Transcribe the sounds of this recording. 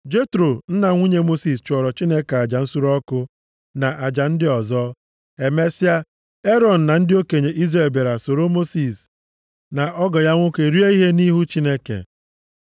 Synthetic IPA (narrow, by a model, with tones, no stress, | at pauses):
d͡ʒe˦tɾo˨n̩˦na˨ŋʷu˦ɲe˦mo˦si˨st͡ʃɔ˨ɾɔ˨t͡ʃi˦ne˦ka˨a˨d͡ʒa˨n̩˦su˦ɾɔ˦kʊ˦ | na˨ʔa˨d͡ʒa˨n̩˦dɪ˦ɔ˨zɔ˦ | e˨me˦sɪ˦a˦ | e˦ɾɔ˨n̩˨na˨n̩˦dɪ˦o˦ke˨ɲe˨ʔi˦zɾe˨lbe˨ɾa˨so˨ɾo˦mo˦si˨s | na˨ʔɔ˦ɡɔ˨ja˦ŋʷʊ˦ke˨ɾi˦e˦i˦ɦe˦ni˦ɦu˦t͡ʃi˦ne˦kḛ˨